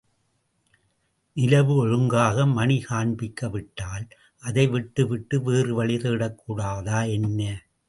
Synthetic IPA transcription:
nɪlɐʋɯɔɻɯŋɡaːɣɐmɐnɪkaːɳbɪkːɐʋɪʈːaːl | ʔɐðɐɪʋɪʈːɯʋɪʈːɯʋeːrɯʋɐɭɪðɯːɽɐkːuːɽaːðaːɛnːɐː

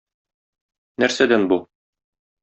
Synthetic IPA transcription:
næɾsæd̪ænbu

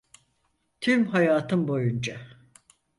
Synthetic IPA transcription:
t̪ʰymɦajaːt̪ʰɯmbo̞jund͡ʒa

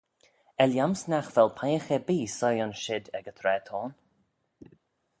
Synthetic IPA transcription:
ɛljamsnaxv̥ɛlˠpʰajəxɛbiːsɔjanʃɪd̪ɛɡət̪ʰɾɛːt̪ʰɔːn

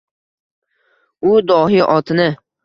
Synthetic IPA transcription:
ʊd̪ɒɦɪʔɒt̪ʰɪnɪ

